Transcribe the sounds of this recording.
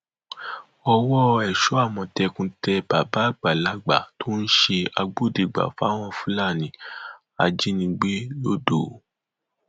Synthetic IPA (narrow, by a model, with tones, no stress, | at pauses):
ɔ˧wɔ˦ɛ˨ʃo˨˦a˦˨mɔ̃˧tɛ˧kũ˧tɛ˧ba˨ba˨˦˨ɡ͡ba˨la˦ɡ͡ba˨to˦n̩˦ʃe˧a˧ɡ͡bo˦˨di˨ɡ͡ba̰˨fa˦w̃ɔ̃˧fũ˦la˦˨nĩ˨˦ | a̰˨d͡ʒi˦nĩ˧ɡ͡be˦lo˦do˦˨˦